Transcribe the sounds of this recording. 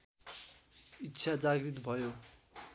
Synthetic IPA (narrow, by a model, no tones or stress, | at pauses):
itːsʰad͡zaɡrit̪̬bʱʌjo